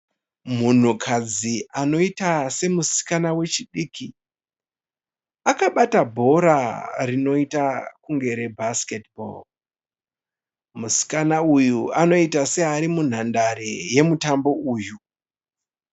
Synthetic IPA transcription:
mun̤ukʰad͡ziʔano̞itase̞musi̥kanawe̞t͡ʃiɗiːki | akaɓatabʱo̞ɾarino̞itakuŋɡe̞ɾe̞bʱasketbo̰l | musi̥kanaujuano̞itase̞aɾimun̤andaɾeje̞mutambo̞uːju

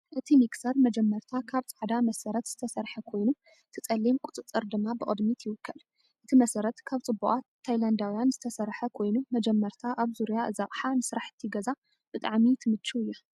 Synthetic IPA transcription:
ʔɨt̪ʰimiksɐɾmɐd͡ʒɛmːɐɾt̪ʰakʰaβt͡sʼaʕd̪amɐsɐɾɐt̪z̥ɨt̪ʰɐsɐɾħɐkʰo̞jnu | t̪ʰɨt͡sʼɐlːimkʼut͡sʼɨt͡sʼːɨɾd̪ɨmːabɨkʼɨ̰d̪mit̪ʰjɪwɨkʰːɐl | ʔɨt̪ʰimɐsɐɾɐt̪kʰaβt͡sʼɨbːuʔʼat̪ʰːajland̪awijanzɨt̪ʰɐsɐɾħɐkʰo̞jnumɐd͡ʒɛmːɐɾt̪ʰaʔaβzuɾijaɨzɐχʼħanɨsɾaħɨ̥t̪ʰːiɡɐza | b̥ɨt̪ʼa̰ʕmit̪ʰɨmɨt͡ʃːuɨjːu

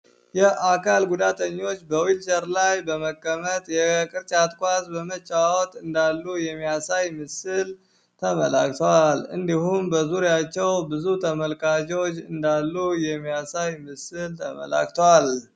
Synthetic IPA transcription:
jɛakʰalɡud̪at̪ʰəɲːo̞t͡ʃːbəwilʃəɾlajbəməkʼːəmət̪jɛkʼɨɾt͡ʃʼat̪kʷʼazbəmət͡ʃʼawɔt̪ʼɨnd̪alːujɛmːijasajmɨsɨl | t̪ʰəməla̰kt̪ʰəwalɨ̰nd̪ihumbəzuɾjat͡ʃːɛwbɨzut̪ʰəməlkʼad͡ʒo̞t͡ʃːɨnd̪alːujɛmːijasajmɨsɨlt̪ʰəmə̰la̰kt̪ʰəwal

